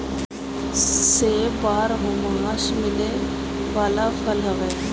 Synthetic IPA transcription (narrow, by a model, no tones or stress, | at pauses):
seːbaːɾɦʊmaaːʃmɪle | ʋaːlaːpʰəlɦəʋeː